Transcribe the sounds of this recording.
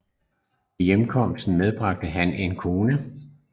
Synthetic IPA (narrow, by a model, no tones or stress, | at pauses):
ijemkʰɒ̽m̰sd̥n̩með̞ˠb̥ʁɑ̈ɡ̥̚d̥əɦænʔe̝nkʰo̝ːnə